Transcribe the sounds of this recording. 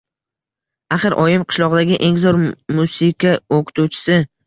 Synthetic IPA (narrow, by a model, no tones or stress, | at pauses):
aχɨɾʔɒjɪmqʰɨ̥ʃlˠɒʁd̪aɡʲɪʔe̞ŋzɒɾmusikʲʰaokʰʊ̥t̪ʰut͡ʃʰɪ̥sɪ